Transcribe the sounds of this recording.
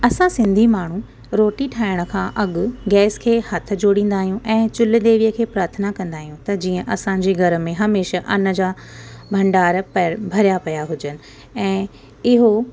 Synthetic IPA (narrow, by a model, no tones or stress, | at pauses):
ɐsãsɪ̃nd̪ʱimaːɳ̤ũ | ɾoːʈiʈʰaːɪɽ̃ə̆kʰãːʔɐɠʊɡɛːskʰeːhɐt̪̆ʰd͡ʑoːɽĩːn̆d̪aːɦijũʔɛ̃ːt͡ɕʊld̪eːʋijəkʰeːpɾaːɾt̪ʰənakɐ̃nd̪aːɦijũt̪ɐd͡ʑiːə̃ʔɐsãɲd͡ʑeːɡʱɐɾə̆mẽɦɐmeːʃaʔɐnə̆d͡ʑa | bʱɐ̃ɳɖaːɾpbʱɐɾjapɐjaɦʊd͡ʑənɪ̆ | ɛ̃ː | ɪɦo